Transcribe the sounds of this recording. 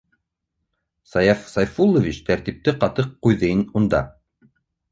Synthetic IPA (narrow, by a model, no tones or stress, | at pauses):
sɑjɑfsɑjfulˠːovʲit͡ɕt̪æɾt̪ip̚t̪ɘqɑt̪ɤqːujðɤ̆jnund̪ɑ̰